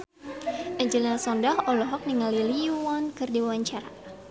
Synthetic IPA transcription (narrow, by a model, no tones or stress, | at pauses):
ʔɛɲd͡ʒəlɛlsɔndahɔlɔɦɔk̚niŋaliliwankɨrdiwawaɲt͡ʃaɾa